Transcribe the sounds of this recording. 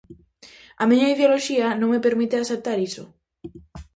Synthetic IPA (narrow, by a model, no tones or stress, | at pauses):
amĩɲaiðeoloʃiɐnõŋmepeɾmit̪easep̚t̪aɾiso̰